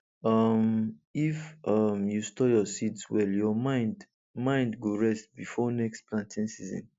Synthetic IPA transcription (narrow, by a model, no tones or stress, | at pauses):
ʌmifʌmjustɔjɔsidswɛljɔmãɪ̃nd | mãɪ̃ndɡoɹɛstbifɔnɛkstplãntʰĩnsizɔ̰̃n